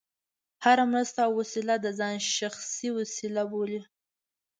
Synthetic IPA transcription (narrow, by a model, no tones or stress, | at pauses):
haɾamɾast̪awasilad̪əzɑnʃaxsiwasilaboli